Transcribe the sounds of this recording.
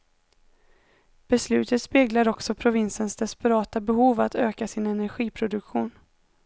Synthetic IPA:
b̥ɛslʉ̟ːt̪ət̪speːɡlaɾɔksɔpʰɾʊvɪnsənsd̪ɛspɛɾɑːt̪abɛɦuːvat̪øːkasɪnɛnæɾɧiːpʰɾʊd̪ɵkɧuːn

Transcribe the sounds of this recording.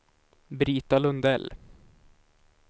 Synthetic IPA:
bɾiːt̪alɵnd̪ɛl

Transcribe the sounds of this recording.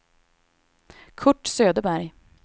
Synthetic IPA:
kʰɵʈːsøːd̪əbæɾj

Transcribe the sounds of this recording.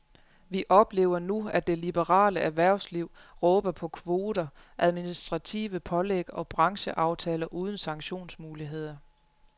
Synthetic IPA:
ʋiʔɒ̽b̥le̝̰ːʊɐnuædd̥e̝lib̥əʁɑ̰̈ːləʔæʋæɐ̰ʊsliʊ̰ʁɔ̽ːb̥ɐpʰɒ̽kʰʋo̝ːd̥ɐ | ʔæð̞ˠminisd̥ʁɑ̈t͡sʰḭːʋəpʰɒ̽leɡ̥ɒ̽b̥ʁɑ̈ŋɕəʔɑ̈ʊt͡sʰɛːlɐʔuːð̞ˠn̩sɑ̈ŋɡɕo̝̰ːnsmuːliɦe̝ð̞̰ˠɐ

